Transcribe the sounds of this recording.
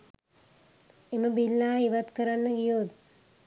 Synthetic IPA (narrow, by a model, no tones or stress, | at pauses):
eməbilːaːiʋat̪kəɾanːəɡijot̪̚